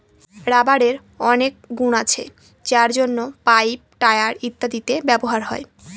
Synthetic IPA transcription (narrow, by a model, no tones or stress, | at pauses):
ɾabaɾeɾ | ɔnek̚ɡunat͡ɕʰḛ | d͡ʑaɾd͡ʑonːopajp̚ʈaeaɾit̪ːad̪it̪ebɛboɦaɾɦɔe